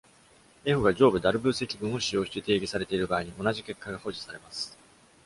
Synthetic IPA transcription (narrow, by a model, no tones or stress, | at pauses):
e̞ɸɯ̟ɡad͡ʑo̞ːbɯ̟d̪aɾɯ̟bɯ̟ːse̞kʲibɯ̃ɰ̃o̞ɕijo̞ːɕi̥t̪et̪e̞ːɡʲisaɾe̞t̪e̞iɾɯ̟baːiɲ̟iʔo̞naʑike̞kːaɡaho̞ʑi̥saɾe̞masɨ̥